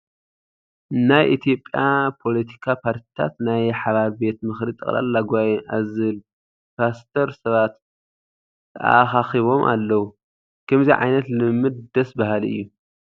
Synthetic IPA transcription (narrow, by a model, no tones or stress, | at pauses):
najʔit̪ʰijo̞pʼjapʰo̞lɐt̪ʰi̥kʰapʰaɾt̪ʰi̥t̪ʰa̰t̪najħaβaβbe̞t̪mɨxɾit̪ʼɨ̰χʼla̰lːaɡʷajnʔazɨl | pʰast̪ʰɐɾsɐβat̪ | t̪ʰːɐ̰ʔa̰xaxiβo̞mʔa̰lːɐwu | kʰɐmziʕa̰jnɐt̪lɨmːɨd̪̚d̪ɐsbahalɨ̰jːu